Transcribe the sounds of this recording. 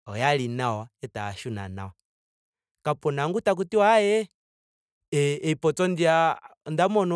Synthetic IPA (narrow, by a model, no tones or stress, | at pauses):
ɔjalinawaɛtaʃuna̰na̰wa | kapɔnaŋɡutak̬utiwajɛ | ɛipɔt͡sɔndiandamɔnɔ